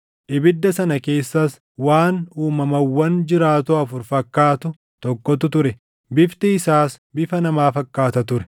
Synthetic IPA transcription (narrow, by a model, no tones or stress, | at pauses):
ʔɪbɪd̪ːɐsɐnɐke̞ːsːɐs | waːnuːmɐmɐwːɐnd͡ʒɪɾaːt̪ʊɐfʊɾfɐkːaːt̪ʊ | t̪ɔkːɔt̪ʊt̪ʊɾɛ | bɪft̪ɪːsaːs | bɪfɐnɐmaːfɐkːaːt̪ɐt̪ʊɾɛ̥